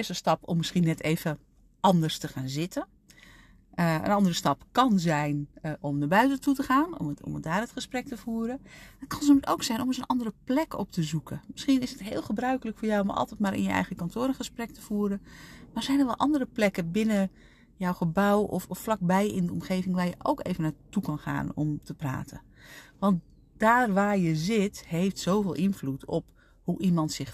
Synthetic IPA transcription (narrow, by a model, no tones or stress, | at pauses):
ɪstəstɑpɔ̰mːɪsχiənɛtʰeːvə | ʔɑndərstəxaːnzɪtə | əə̰nɑndərəstɑpkɑnzɛjnʔɔmnaːbœɥtətutəχaːn̰ɔ̰mdaːrətχəsprɛk̚təvuəɾədɑt̚kɑnsnømowksɛjnɔməzənʔɑndərəplɛkɔp̚təzukʰəmɪsχiənɪsətɦɪːlˠχəbrœɥkələkfʊːɹjawɔmʔɑ̰lˠtɛt̚maːɾɪ̰njəʔɛ̰jɣəkɑntʰoːɾənχəsprɛk̚təv̥uːɾəmaz̥ɛjnərʋɛlˠʔɑ̰ndərəplɛkəbɪnə | jɔwχəbawɔ̰fɔfflɑk̚bɛjɪndəɔmχeːvɪŋʋaːɹjəʔo̰wkḛːvənaːtukɑnχa̰ːnɔ̰mtəpra̰ːtʰə̰ | ʋɑnt | d̥aːrʋaːrjəzɪthejftsowveːlˠʔɪnflutʰɔp | huʔimɑntsɪx